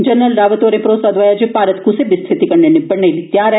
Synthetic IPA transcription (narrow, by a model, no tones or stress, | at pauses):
d͡ʒənɾəlɾaʋət̪oɾepɾosad̪ʋajad͡ʒepaɾət̪kʰusebɪst̪ʰit̪ikəɳɳenipəɳɳelit̪jaɾe